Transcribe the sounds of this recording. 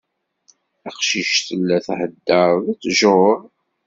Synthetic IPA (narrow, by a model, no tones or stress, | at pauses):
æqʃiʃθəlːæθhəd̪ːəɾðæt͡sːʒɾ